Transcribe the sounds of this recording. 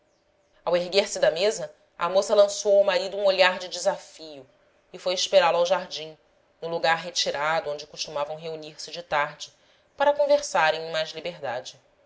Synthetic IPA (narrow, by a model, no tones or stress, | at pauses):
aweɦɡeɾsɪd̪ɐmezɐ | ɐ̰mosɐlɐ̃sowawmaɾid̪ʊũoʎaɾd͡ʒɪd͡ʒɪzafijʊ | ɪfojɪʃpeɾalʊawʒaɾd͡ʒĩ | nʊluɡaɾɦet͡ʃiɾad̪ʊõd͡ʒɪkuʃt̪umavɐ̃w̃ɦeuniɾsɪd͡ʒɪt̪aɾd͡ʒɪ | paɾɐkõveɾsaɾẽj̃ẽj̃majzlibeɦd̪ad͡ʒɪ